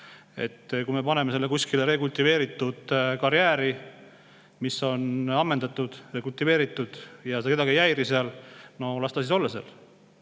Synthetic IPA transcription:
e̞̰t̪ːkume̞pɑne̞mese̞lːekusʲkileɾe̞kult̪ːive̞ːɾit̪ːˑud̪̥kɑɾjæːɾi | misːo̞nɑmːend̪ɑt̪ːˑud̪̥re̞ːkult̪ːive̞ːɾit̪ːˑud̪̥jɑsed̪ɑkeɑɡiejæjɾiseɑlno̞lɑst̪ɑsiso̞lːɑsḛl

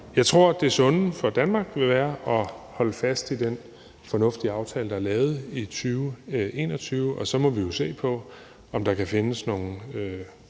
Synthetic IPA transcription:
jɑ̈ɪt͡sʰʁo̝ɐ̰d̥e̝æɐsɔ̽nn̩fɒ̽d̥ænmɑ̈ːɡ̥ʋe̝ʋæːɐʔɒ̽hɒ̽ləfæsd̥id̥en | fɒ̽nɔ̽fd̥iɑ̈ʊt͡sʰɛ̰ːləd̥ɑ̈æɐlɛːʊð̞̩ˠit͡sʰyːʊʔe̝̰ːnɒ̽t͡sʰyːʊʔɒ̽sɒ̽mɒ̽ʋijo̝se̝̰ːpʰɒ̽ | ɒ̽md̥ɑ̈kʰæfe̝nəsno̝ːn̩ø

